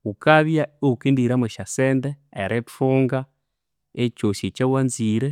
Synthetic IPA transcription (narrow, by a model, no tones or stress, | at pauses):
ukaβjaokendiɾameʃasendeḛɾʔetoŋɡa | et͡ʃosit͡ʃawanziɾe